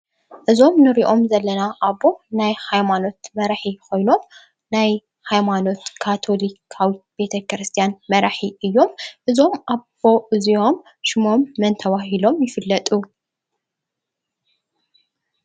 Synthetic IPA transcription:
ʔɨzo̞mnɨɾiʔo̞mzɐlːɐnaʔaβo̞najhajmano̞t̪mɐɾaħikʰo̞jno̞m | naj | hajmano̞t̪kʰat̪ʰo̞likʰawib̥e̞t̪ʰɐkɾɨst̪ʰijanmɐɾaħiʔɨjːo̞mʔɨzo̞mʔaβo̞ʔɨzio̞m | ʃɪmo̞mːɐnt̪ʰɐwaɦilo̞mjɪfɨlːɐt̪ʼu

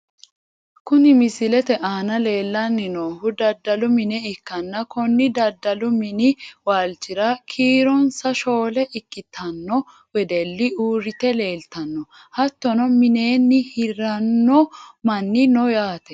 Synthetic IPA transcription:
kʊnɪmɪsɪlɛt̪ɛʔaːnɐle̞ːlːɐnːɪnoːhʊd̪ɐd̪ːɐlʊmɪnɛɪkːɐnːɐkɔnːɪd̪ɐd̪ːɐlʊmɪnɪwaːlt͡ʃːɪɾɐkʰiːɾɔnsɐʃo̞ːlɛʔɪkːɪt̪ʰɐnːɔ | wɛd̪ɛlːɪuːɾɪt̪ɛle̞ːlt̪ɐnːɔ | hɐt̪ːɔnɔmɪne̞ːnːɪhɪɾɐnːɔmɐnːɪnɔjaːt̪ɛ

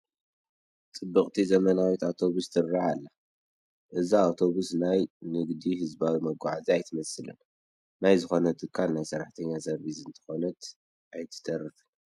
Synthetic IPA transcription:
t͡sʼɨbːɨkʼt̪ʰizɐmɐnawit̪awt̪ʰo̞βust̪ʰɨrːaʕalːa | ʔɨziawt̪ʰo̞βusnajnɨɡd̪ihɨzbawimɐɡʷaʕaziajt̪ʰɐmɐsɨlɨ̰n | najzɨxo̞nɐt̪ʼɨkʰːalnajsɐɾːaħt̪ʰɐɲːazɐɾbizɨnt̪ʰɐ̥xo̞nɐt̪ | ʔajt̪ʰɨ̥t̪ʰʼɐrːɨfɨn

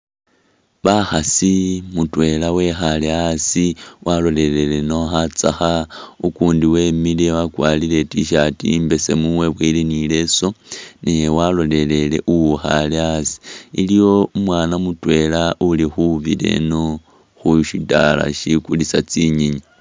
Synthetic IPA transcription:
βaxasimutwe̞lawe̞xaleasiwʔalo̞le̞le̞le̞no̞xat͡sa̰xaukuːndiwe̞ːmilewakwaːlile̞tiʃatimbe̞se̞̰muwe̞βwilinile̞so̞newalo̞le̞le̞le̞ʔuwuxaleasi̥ilijo̞umwaːnamutwe̞laulixuβḭle̞̰no | xuʃita̰la̰ʃikulisat͡siɲiɲi

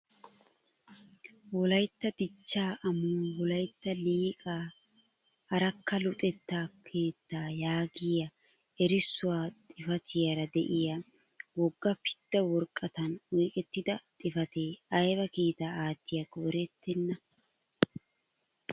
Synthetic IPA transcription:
wɔlɐjt̪ːɐd̪ɪt͡ʃːaːʔɐmuːwɔlɐjt̪ːɐliːkʼaː | ɐɾɐkːɐlʊt̪ʼɛt̪ːaːkʰe̞ːt̪ːaːjaːɡɪjɐ | ɛɾɪsːʊwaːt̪ʼɪfɐt̪ʰɪjɐɾɐd̪ɛʔɪja | wɔɡːɐpɪ̥d̪̥ːɐwɔɾkʼːɐt̪ɐnwiːkʼɛt̪ːɪd̪ɐt̪ʼɪfɐt̪eːʔɐjβɐkiːt̪aːaːt̪ːɪjɐkɔʔɾɛt̪ːɛnːɐ

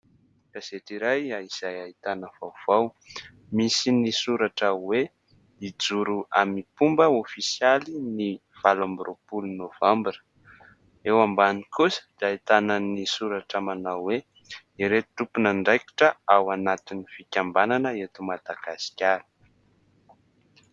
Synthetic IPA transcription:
kaz̥eʈ͡ʂiɾajaiz̥ajait̪anəv̥awv̥aw | misinisuɾaʈ͡ʂəwe | id͡zuɾuamipumbəofisijalini | v̥alambɾʔopulunovambiɾə̥ | ewambanikʰusə̥d̪ait̪anənisuɾaʈ͡ʂəmanawwe | iɾet̪upunaɳɖ͡ʐajki̥ʈ͡ʂəawanat̪inifikʲambananəet̪umad̪aɡasi̥kʲaɾi̥

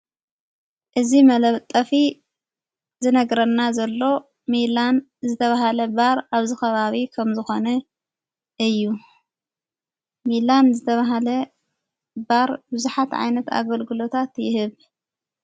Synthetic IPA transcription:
ʔɨzimɐlɐβt̪ʼːɐfi | zɨnɐɡɾɐnːazɐlːo̞ | milan | zɨt̪ʰɐβahalɐbaɾaβzɨxɐβaβikʰɐmzɨxo̞nɐ | ʔɨjːu | milanzɨt̪ʰɐβaɦalɐ | baɾbɨzuħat̪ʕa̰jnɐt̪a̰ɡɐlɡɨlo̞t̪ʰat̪jɪhɨβ

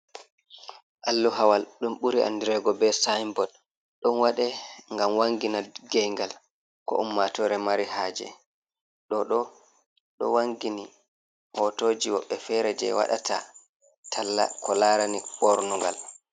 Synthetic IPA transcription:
ʔalːuɦawalɗumɓuɾiʔa̰ndiɾɛɡɔbɛsajmbɔd | ɗɔnwaɗɛŋɡamwaŋɡinaɡɛŋɡal | kɔ̰umːatɔɾɛmaɾihaːd͡ʒɛ̰ | ɗɔɗɔ | ɗɔ̰waŋɡini | hɔtoːd͡ʒiwɔɓːɛfɛɾɛd͡ʒɛ̰wa̰ɗa̰tʰa̰ | tʰalːa̰kɔlaːɾaniɓɔɾnuŋɡa̰l

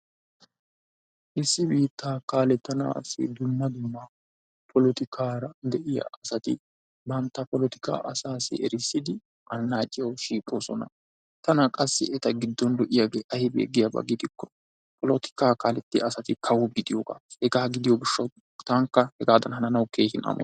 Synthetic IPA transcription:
ʔɪsːɪbiːt̪ːaːkaːlɛt̪ːɐna̰ːsɪ̰d̪ʊmːɐd̪ʊmːɐ | pʰɔlɔt̪ɪkʰaːɾɐd̪ɛʔɪja̰ɐsɐt̪ɪ̰ | bɐnt̪ːɐpɔlɔt̪ɪ̥ka̰ːʔɐsaːsɪ̰ɛɾɪsːɪd̪ɪ | ʔɐnːaːt͡ʃʼːɪjɐwʃiːkʼo̞ːsɔnɐ̰ | t̪ɐnɐkʼɐsːɪ̰ʔɛt̪ɐɡɪd̪ːɔnlɔʔɪjaɡeːʔɐhɪbḛːɡɪjabɐ̰ɡɪd̪ɪkːɔ̥ | pɔlɔt̪ɪ̥kaːkaːlɛt̪ːɪɐsɐt̪ɪkʰɐwʊɡɪd̪ɪjoːɡa̰ːhɛɡaːɡɪd̪ɪjoɡɪʃːɐw | t̪ɐŋkːɐhɛɡaːd̪ɐnɦɐnɐnɐwkeːʃɪnɐ̰mɔ̰

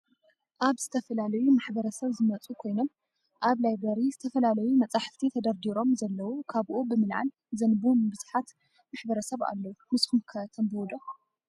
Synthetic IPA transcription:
ʔaβz̥ɨt̪ʰɐfɐlalɐjumaħbɐɾɐsɐβzɨmɐt͡sʼukʰo̞jno̞m | ʔaβlajbɐɾizɨt̪ʰɐfɐlalɐjumɐt͡sʼaħft̪ʰit̪ʰɐd̪ɐɾd̪iɾo̞mzɐlːɐwukʰaβʔobɨmɨlʕa̰l | zɐnbumbɨzħat̪ | maħbɐɾɐsɐβa̰lːɐwumɨskumkʰat̪ʰɐmbɨwɔd̪o

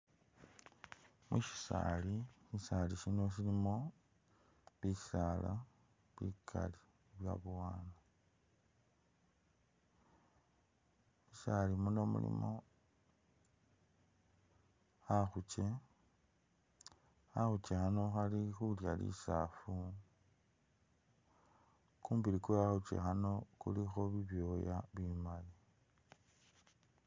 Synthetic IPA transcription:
mwiʃi̥sa̰liʃisaliʃino̞ʃ̬ilimo̞ | βisala | βikʰa̰li̥ | βja̰βwaːna | isalimuno̞mṵlḭmo̞ | axut͡ʃe̞ | axut͡ʃexano̞xalixuljalḭsafu | kuːmbilikoaxut͡ʃḛxano̞kulixo̞βiβjo̞ja̰βimali

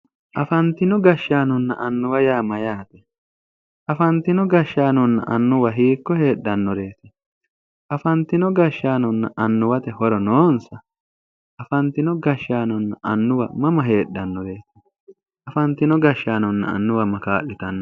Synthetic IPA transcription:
ʔɐfɐnt̪ːɪnɔɡɐʃːaːnɔnːɐ̰ʔɐnːʊwɐjaːmɐjaːt̪ɛ | ʔɐfɐnt̪ːɪnɔɡɐʃːaːnɔnːɐ̰ʔɐnːʊwɐɦiːkːɔhe̞ːɗːɐnːɔɾe̞ːt̪ɛ | ɐfɐnt̪ːɪnɔɡɐʃːaːnɔnːɐʔɐnːʊwɐt̪ɛhɔɾɔnoːnsɐ | ɐfɐnt̪ɪnɔɡɐʃːaːnɔnːɐʔɐnːʊwɐmɐmɐɦe̞ːɗːɐnːɔɾe̞ːt̪ɛ̥ | ɐfɐnt̪ɪnɔɡɐʃːaːnɔnːɐ̰ɐ̰nːʊwɐmɐkaːʔɪt̪ɐnː

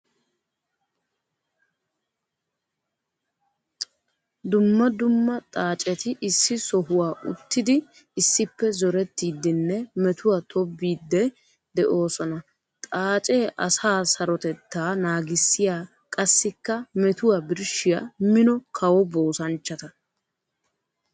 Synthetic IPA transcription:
d̪ʊmːɐd̪ʊmːɐt̪ʼaːt͡ʃʼɛt̪ɪʔɪsːɪsɔɦʊwaːʔʊ̰t̪ːɪd̪ɪ | ɪsːɪpːɛzɔɾɛt̪ːiːd̪ːɪnːɛmɛt̪ʊwat̪ʰɔbːiːd̪ːɛ | d̪ɛʔo̞ːsɔnɐ | t̪ʼaːt͡ʃʼe̞ːʔɐsaːsɐɾɔt̪ɛt̪ːaːnaːɡɪsːɪjaː | kʼɐsːɪkːɐmɛt̪ʊwabɪɾʃɪjamɪnɔkʰɐwɔbo̞ːsɐnt͡ʃːɐt̪ɐ

